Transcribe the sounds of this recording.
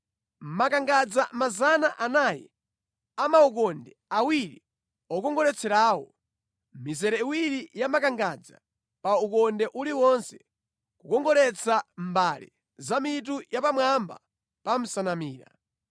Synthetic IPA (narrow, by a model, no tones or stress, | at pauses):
m̩makaŋɡad͡zamazanaʔanajɛ̰ | amauk̬ɔndɛawiɾi | ɔkɔŋɡɔɾɛt͡sʰɛɾaːwɔ | mizɛɾɛiwiɾijamakaŋɡad͡za̰ | paukɔndɛʔuliwɔnsɛ̥ | kukɔŋɡɔɾɛt͡sʰambalḭ | zamit̬ujapamwamba̰ | pam̩sanamiːɾa̰